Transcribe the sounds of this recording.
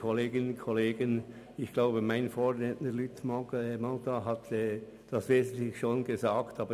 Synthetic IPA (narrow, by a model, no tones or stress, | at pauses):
kʰɔleːɡənkʰɔleːɡən | ɪçɡ̥laʊbəmaɪnfoːɾnetnəlytmɔɛmɔltaɦatɛː | d̥ɑsv̥eːzn̩tlɪçʃoːnɡəzaːktɑːbə